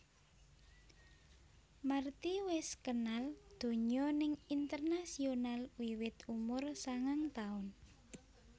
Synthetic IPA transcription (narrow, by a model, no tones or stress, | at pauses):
mart̪iwɛskənald̪̥o̤ɲɔnɪŋint̪ərnasionalwiwɪt̪umʊrsaŋaŋt̪aʊn